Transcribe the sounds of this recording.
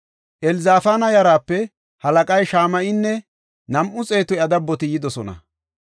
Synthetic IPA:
ʔɛlzaːfaːnɐjɐɾaːpːɛ | hɐlɐkʼɐjʃaːmɐʔɪnːɛ | nɐmʔʊt͡sʼe̞ːt̪ɔjɐd̪ɐbːɔt̪ɪjɪd̪ɔsɔnɐ̰

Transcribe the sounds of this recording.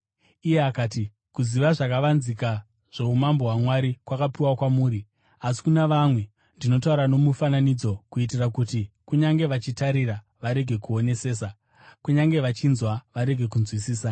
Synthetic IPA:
ije̞akaːti | kuziʋaʐakaʋanzika | ʐ̥e̞umambo̞ɦwamwaɾikwakapiwakwamuːɾi | asi̥kunaʋamwe̞ | ndino̞t̬auɾano̞mufananid͡zo̞kuit̬irakutikuɲaŋɡe̞ʋat͡ʃitaɾira | ʋaɾe̞ɡʱe̞kuo̞ne̞se̞ːsa | kuɲaŋɡe̞ʋat͡ʃinzwaʋaɾe̞ɡʱe̞kunzwisiːsa

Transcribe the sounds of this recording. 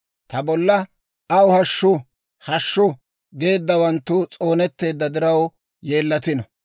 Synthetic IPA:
t̪ɐbɔlːɐ | ɐwʊhɐʃːʊ | hɐʃːʊ | ɡe̞ːd̪ːɐwɐnt̪ːʊt͡sʼo̞ːnɛt̪ːe̞ːd̪ːɐd̪ɪɾɐw | je̞ːlːɐt̪ɪnɔ

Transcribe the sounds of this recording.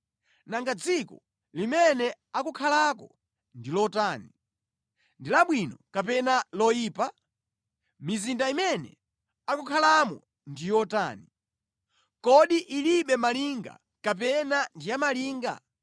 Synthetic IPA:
naŋɡad͡zikɔ | limɛnɛ | akukʰalak̬ɔ | ndilɔtaːni | ndilaɓwinɔkapɛnalɔjiːpa | mizindaimɛnɛ̰ | akukʰalamɔ̰ | ndijɔta̰ːni | kɔɗiʔiliɓɛmaliŋɡa̰ | kap̬ɛnandijamaliːŋɡa̰

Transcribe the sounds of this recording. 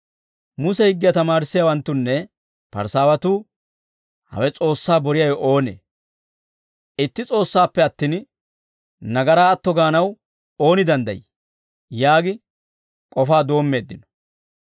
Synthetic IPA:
mʊsɛhɪɡːɪjɐt̪ɐmaːɾɪsːɪjawɐnt̪ːʊnːɛ | pɐ̰ɾsaːwɐt̪uː | hɐ̰wɛt͡sʼo̞ːsːaːbɔɾɪjɐjɔʔo̞ːnḛː | ɪt̪ːɪt͡sʼo̞ːsːaːpːɛɐt̪ːiːn | nɐɡɐɾaːt̪ːɔɡaːnɐw | o̞ːnɪd̪ɐnd̪ɐ̰jɪ | jaːɡɪ | kʼɔfaːd̪o̞ːmːe̞ːd̪ːɪnɔ̥

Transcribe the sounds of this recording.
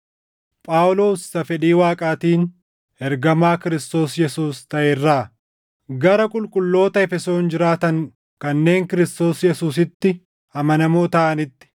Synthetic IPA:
pʼaːwlo̞ːsːɐfɛᶑiːwaːkʼaːt̪iːn | ɛɾɡɐmaːkɪɾɪst̪o̞ːsjɛsuːst̪ɐʔɛrːaː | ɡɐɾɐkʼʊlkʼʊlːo̞ːt̪ɐɛfɛso̞ːnd͡ʒɪɾaːt̪ɐŋ | kɐnːe̞ːŋkɪɾɪst̪o̞ːsjɛsuːsɪt̪ːɪ | ɐmɐnɐmoːt̪ɐʔɐnɪt̪ːɪ̥

